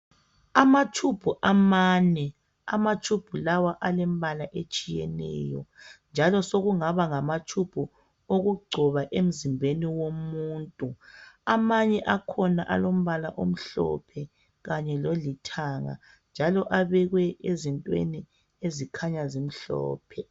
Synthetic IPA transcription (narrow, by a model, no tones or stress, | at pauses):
amatʰub̥ʱuʔamaːnɛ | a̰matʰub̥ʱulawaʔalɛmβalaʔet͡ʃʼijɛ̰nɛ̰ːjɔnd͡ʒʱalɔsoɣuŋaβaŋamat͡ʃʰub̥ʱu | oɣuɡ͡ǀʱɔβaʔem̩zimbʱeniwomuːntʼuamaɲɛʔakʰɔna̰ʔa̰lom̩βala̰ʔom̩ɬɔ̰pʰɛ | ɣaɲɛlolitʰaŋa̰ | nd͡ʒʱalɔʔaβɛɣwɛʔezintʼwḛni | ezikʰaɲazim̩ɬɔ̰ːpʰɛ